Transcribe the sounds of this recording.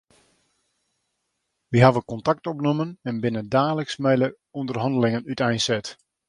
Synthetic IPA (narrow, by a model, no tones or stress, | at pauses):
ʋiɦaʋəkɔntak̚tɔpnomənɛnbɪnədaːləksmɛjlə | undərɦɑndəlɪŋənytɛjnsɛt